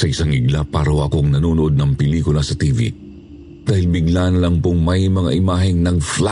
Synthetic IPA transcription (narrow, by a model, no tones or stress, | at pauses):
sɐʔɪsaŋʔɪɡlapaːɾɐoʔɐkoŋnɐnoːnʊʔod̪̚nɐŋpɪliːkʊlɐsɐt̪iːvḭ | d̪̥aːhɪlbɪɡlaːnɐlɐŋpoŋmɐjmɐŋa̰ʔɪmaːɦɪŋnɐŋfla